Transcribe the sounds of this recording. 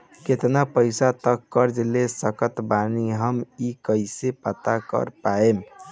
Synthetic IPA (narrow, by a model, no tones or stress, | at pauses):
ket̪napəɪsat̪əkːəɾd͡ʒlesəkət̪baniɦəmikəɪsepət̪akə̰ɾpaem